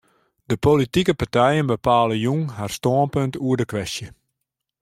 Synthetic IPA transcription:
d̥əpolitikəpartɛjənbəpaːləjuŋharstoənpøntuəɹdəkʋɛstjə

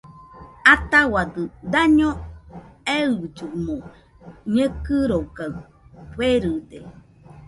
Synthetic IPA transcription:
at̪awad̪ɨd̪aɲõ | ed͡ʒumo | ɲəkɨɾoka | pweɾɯd̪e

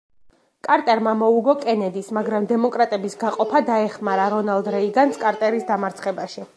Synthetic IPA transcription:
kʼaɾt̪ʼɛɾmamɔuɡɔkʼɛnɛd̪ismaɡɾamd̪ɛmɔkʼɾat̪ʼɛbisɡaqʼɔpʰad̪aɛχmaɾaɾɔnalˠd̪ɾɛiɡanskʼaɾt̪ʼɛɾisd̪amaɾt̪sʰχɛbaʃi

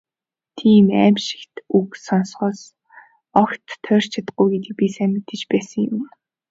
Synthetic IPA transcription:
t̪ʰiːmæ̰ːmʃɪ̥̆kt̪uksɔnsχɔːs | ɔkt̪ʰːœːr̥t͡ɕʰat̪ə̥̆ɡujɡet̪ĭk̚pisæmɪt̪ɘ̆t͡ɕpæːsə̆ŋjʊm

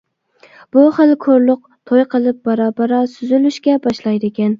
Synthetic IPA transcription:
b̥uχɨlˠkʰoɾlˠʊq̚t̪ʰojqʰəlˠɪp̚bɑɾɑbɑɾɑsyzylyʃkʲɛbɑʃlˠɑjd̪ɪkʲɛn

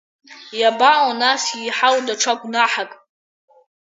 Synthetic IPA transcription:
jabawonasiːħawdaʈ͡ʂʰaɡʷnaħakʼ

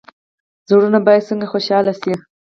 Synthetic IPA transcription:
zoɽunabɑjad̪səŋɡaxoʃɑlase

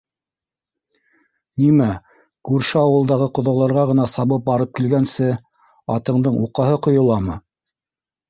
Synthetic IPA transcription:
nimæ | kʉɾʃɘɑwɤ̆lˠd̪ɑʁɤqŏðɑlˠɑɾʁɑʁɤ̆nɑsɑβɤp̚bɑɾɤp̚kilɡænsɘ | ɑ̰t̪ɤ̆ɴd̪ɤɴuqɑɦɤqŏjŏlˠɑmɤ

